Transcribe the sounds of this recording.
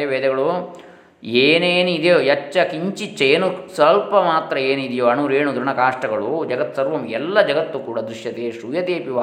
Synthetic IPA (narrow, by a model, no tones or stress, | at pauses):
ɐʋeːd̪ɛɡɐɭu | eːneːnuid̪joːjɐt͡ʃːɐkiɲt͡ʃit͡ʃːɐeːnusɐlpɐmaːt̪ɾɐeːnid̪joːɐnuːɾeːnud̪ɾɐɳɐkaːʂʈɐɡɐɭud͡ʒɐɡɐt̪ːsɐɾʋɐmɛlːɐd͡ʒɐɡɐt̪ːukuːɽɐd̪ɾiʂjɐt̪eːʂujɐt̪eːpiʋaː